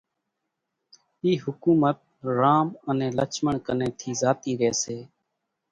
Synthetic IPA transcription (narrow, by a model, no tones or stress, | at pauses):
iːhʊkuːmət̪̚ | ɾaːmənẽːlə̰t͡ʃʰməɳkənẽːt̪ʰiːzaːt̪iːɾeːseː